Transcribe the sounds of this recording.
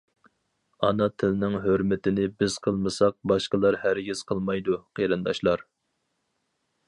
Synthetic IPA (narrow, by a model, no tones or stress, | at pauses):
ɑnɑt̪ʰɪlɪnɪŋɦøɾmɪt̪ɪnɪbɪz̥qʰəlˠmɨsɑq̚bɑʃqəlˠɑɾhæɾɡʲiz̥qʰəlˠmɑjd̪uqʰeɾɨnd̪ɑʃlˠɑɾ